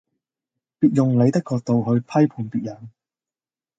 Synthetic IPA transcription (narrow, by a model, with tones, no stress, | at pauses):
piː˨t̚jʊ˨ŋle˨˧jt̪ɐ˥kːɔː˧k̚t̪o˨˧wɦɵ˨˧ɥpʰɐ˥jpʰuː˨˩npiː˨t̚jɐ˨˩n